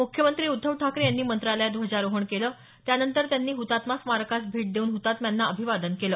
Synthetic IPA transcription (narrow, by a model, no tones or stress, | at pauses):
mukʰjəmənt̪ɾiːud̪ʱːəʋʈʰakɾijanːiːmənt̪ɾaljad̪ʋod͡ʑaɾoɦəɳkeləː | t̪janənt̪əɾt̪janːiːɦut̪at̪masmaɾkasbʱiːʈ̚d̪euːnɦut̪at̪mjanːaəbʱiʋad̪ənkeləː